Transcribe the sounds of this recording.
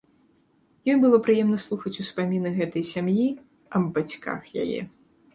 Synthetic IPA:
jɔjbɨlˠɔpɾɨjɛmnɐslˠuxɐt͡sʲuspamʲinɨɣɛt̪ɐjsʲamji | ɐbbat͡sʲka̰xja̰jɛ̰

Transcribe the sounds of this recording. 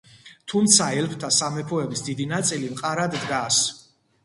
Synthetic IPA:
t̪ʰumt̪sʰaɛlpʰt̪ʰasamɛpʰɔɛbisd̪id̪inat̪sʼilimqʼaɾad̪d̪ɡas

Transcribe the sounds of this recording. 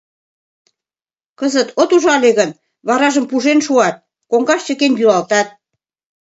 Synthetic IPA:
kəzət̪ot̪uʒɑleɣən | βɑɾɑʒəmpuʒenʃuɑt̪̚ | koŋɡɑʃt͡ɕə̆kenjylɑlt̪ɑt̪̚

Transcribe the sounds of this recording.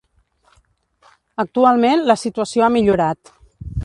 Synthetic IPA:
ək̚t̪ualˠmenləsit̪uəsioamiʎuɾat̪

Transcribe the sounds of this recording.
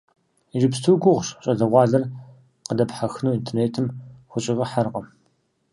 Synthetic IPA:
ʒɪpstʰuːɡʷʊʁʷɕɕʼɐɮɐʁʷɑːɮɐr | qədɐpħaxnuːintʰerneːtʰɨmxʷʊɕʼɪʁɐħarqɐ

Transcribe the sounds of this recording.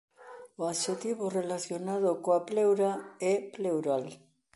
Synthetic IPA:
oaʃet̪iβorelaθjonað̞okoaplewɾaeplewɾal

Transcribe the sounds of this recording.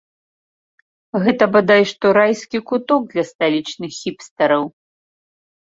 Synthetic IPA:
ɣɛt̪ɐbad̪ajɛʂt̪ɔɾajsʲkʲikut̪ɔɡ̚d̪lʲɐst̪alʲit͡ʂnɨxːʲipst̪ɐɾɐw

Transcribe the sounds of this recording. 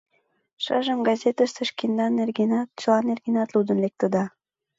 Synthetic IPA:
ʃɑʒəmɡɑzʲet̪əst̪əʃkend̪ɑnːerɡenɑt̪̚t͡ɕəlˠɑnerɡʲenɑt̪lud̪ə̆nlek̚t̪ə̆d̪ɑ

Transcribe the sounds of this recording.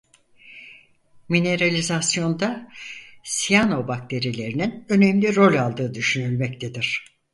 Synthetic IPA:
mine̞ɾalʲizasjo̞nd̪a | sijano̞bak̚t̪ʰe̞ɾilʲe̞ɾininø̞nɛmlʲiɾo̞lʲalˠd̪ɯːd̪yʃynylʲmɛct̪ʰe̞d̪iɾ̥

